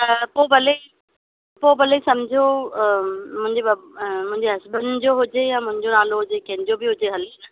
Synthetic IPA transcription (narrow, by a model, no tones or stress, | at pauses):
poːbʱɐle | poːbʱɐlesɐmd͡ʑʱio | mʊ̃ɦɪ̃ɲd͡ʑebɐmʊ̃ɦɪ̃ɲd͡ʑeɦɐsbənd͡ʑoɦʊd͡ʑejãːmʊ̃ɦɪ̃ɲd͡ʑonaːloɦʊd͡ʑekɐɦɪ̃nd͡ʑobiɦʊd͡ʑeɦɐlinɐ